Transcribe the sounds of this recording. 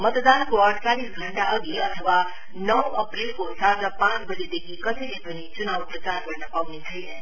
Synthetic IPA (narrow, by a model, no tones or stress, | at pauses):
mʌt̪d̪ankoəɽt͡salisɡʱəɳʈaʔəɡiɐt̪ʰəʋa | nʌwəpɾilkosaɾd͡zapãt͡sbəd͡ʑed̪ekʰikʌselepənit͡sunaːʋpɾət͡saɾkəɾnəpawnit͡sʰəj